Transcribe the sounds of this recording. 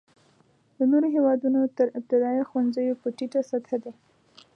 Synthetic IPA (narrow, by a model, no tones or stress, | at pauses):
d̪ənoɾoɦewɑd̪unot̪əɾɪb̚t̪ɪd̪ɑjaxwanzəjopəʈiʈasat̪ʰad̪e